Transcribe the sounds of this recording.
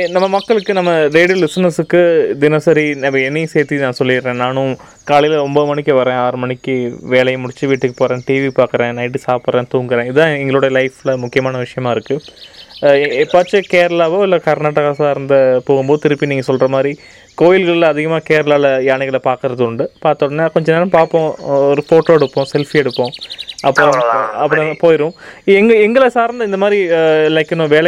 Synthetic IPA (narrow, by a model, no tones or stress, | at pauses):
nɐmːɐmɐkːɐɭɯkːɯnɐmːɐɾeːɽɯlɪsnɐsɯkːɯd̪ɪnɐsɐɾinɐmɐɛnːiseːɾt̪inãːsɔlːɪɾːẽːnaːnʊ̃ | kaːɭɪjlɐɔmbɐɯmɐɳɪkːɯʋɐɾẽːɐɐɾmɐɳɪkʲːɯʋeːɭɐjɐmʊɽɪt͡ʃːɯʋiːʈːɯkːɯ̥poːɾẽːʈiːʋipaːɾkɯɾẽːnɐɪʈ̬ːɯsaːpɯɾẽːt̪uːŋɡɯɾẽːɪðãːɪŋɡɐɭoːɽɐlɐɪflɐmʊkːɪjɐmaːnɐʋɪʂɐjɐmaːɪɾɯkːɯ | ɛpːaːt͡ʃːɯkeːɾɐlaːʋoːɪlːɐkɐɾnaːʈːɐɣaːsaːɾnd̪ɐpoːɣɯmboːðɯt̪ɪɾɯpːiniːŋɡɐsɔlrɐmaːd̪ɾi | koːjɪlɣɐɭɪlɐðɪɣɐmaːkeːɾɐlaːlɐjaːnɪɣɐɭɐpaːɾkɯɾɐðɯʊɳɖɯpaːɾt̪ɐɽnːaːkɔɲd͡ʒɐneːɾɐ̃mpaːɾpːõːɔɾɯfoːʈːoːɛɽɯpːõːsɛlfiɛɽɯpːõːɐpːɐɾõɐpːɐɽ̃poːjɪɾʊ̃ɛŋɡɐɛŋɡɐɭɐsaːɾnd̪ɐɪnd̪ɐmaːd̪ɾilɐɪkːɪnõːʋeːɭɛ